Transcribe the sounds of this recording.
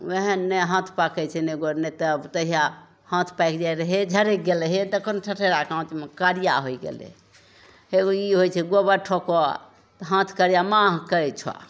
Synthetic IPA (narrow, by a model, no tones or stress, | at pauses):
ʋeɦɛnːeɦãt̪ʰpakɛt͡ʃʰɛneɡonet̪əbt̪əɦija | hãt̪ʰpajkd͡ʒaiɾəɦed͡ʒʱəɾeɡelɦet̪əkənoʈʰəʈʰeɾakãw̃t̪imekaɾija̰ɦojɡḛlḛ | ɦeɡoiɦojt͡ʃʰɛɡobəʈʰoko̰ | t̪ɦãt̪ʰkəɾijamãɦkəjt͡ʃʰa̰